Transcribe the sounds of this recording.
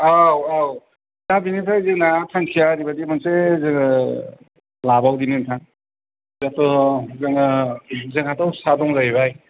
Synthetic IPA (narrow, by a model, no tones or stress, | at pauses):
awaw | zabinɯtʰajzɯŋnatʰankʰijaɾibadimansezɯŋ | labawdinɯntʰan | zatɔzɯŋazɯŋhatawsadɔŋzajβaj